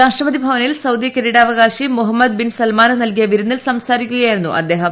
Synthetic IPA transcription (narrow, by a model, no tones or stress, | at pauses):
ɾaːʂʈrɐpɐd̪ibʱɐʋɐnilsɐwd̪jɐkeɾiɽaːʋɐɡaːɕimuɦɐmːɐd̪̚binsɐlmaːnɐnɐlkijɐʋiɾunːilsɐmsaːɾikʲːuɣɐjajiɾunːṵʔɐ̰d̪ːe̞ːɦɐm